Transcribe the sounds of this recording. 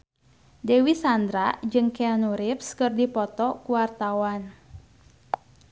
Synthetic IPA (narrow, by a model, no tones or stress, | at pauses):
dewisand̪ɾad͡ʒɨŋkeanuɾɪpskɨrdipɔt̪ɔkuwart̪awan